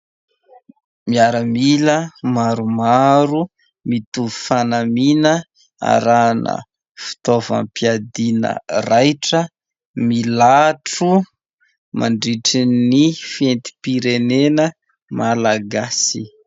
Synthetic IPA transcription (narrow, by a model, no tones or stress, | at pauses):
miaɾəmiləmaɾumaɾu | mit̪uvufanaminə | a̰ɾanə̰ | fi̥t̪ova̰mpiad̪inə̰rajʈ͡ʂə | milaʈ͡ʂu | maɳɖ͡ʐiʈ͡ʂinifent̪i̥piɾenenə | malaɡasi